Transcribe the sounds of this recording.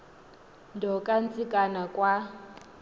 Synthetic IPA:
ndʱɔkʼant͡sʼikʼanakʼwa

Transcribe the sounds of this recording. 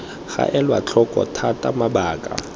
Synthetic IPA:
χa̰ʔɛlwat͡ɬʰɔkʼɔ̰tʰatʼamabaːkʼa̰

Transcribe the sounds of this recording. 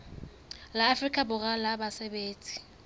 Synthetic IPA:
laːfrikʼabʊɣalabasebeːt͡sʼi̥

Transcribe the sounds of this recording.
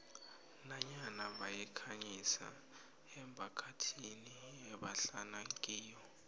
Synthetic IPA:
naɲanaɓajikʰaɲisa̰ | ɛmbʰʱakʰatʰiniɛɓaɬanaŋkʼiːjɔ

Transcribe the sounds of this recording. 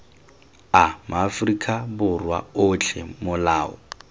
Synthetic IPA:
amʊafrikʼʰabʊrwa̰ʊt͡ɬʰɛmʊlaːɔ̰

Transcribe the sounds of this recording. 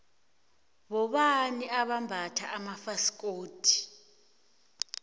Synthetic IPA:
ɓɔɓaniʔaɓambʱatʰaʔːmafasi̥kʼoːtʰi̥

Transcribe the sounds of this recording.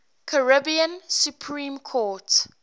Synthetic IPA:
kʰəɹɪbiə̃nsjupʰɹĩːmkʰɔt

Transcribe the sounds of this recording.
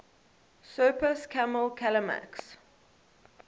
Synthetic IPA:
sɜːpəskʰaməlkʰaləmæ̰ks

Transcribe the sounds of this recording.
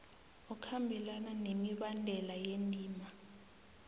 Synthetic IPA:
ɔkʰambʱilananemiɓandʱɛlajendʼʱiːma

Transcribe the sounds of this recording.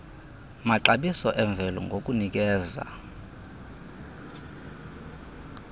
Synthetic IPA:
maǃaɓisɔʔɛɱb̪vʱɛlɔ̰ŋɡʱokʼunik̬ʼɛːza̰

